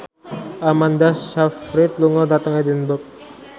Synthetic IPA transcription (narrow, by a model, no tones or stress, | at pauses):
ʔamand̪asʃafɾɪt̪̚luŋɔd̪at̪əŋɛd̪ənbək̚